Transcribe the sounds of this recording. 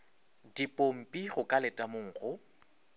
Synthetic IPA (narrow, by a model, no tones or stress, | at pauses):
dipʼom̩pʼiɣʊkʼalɪtʼamʊŋ̩ːɣʊ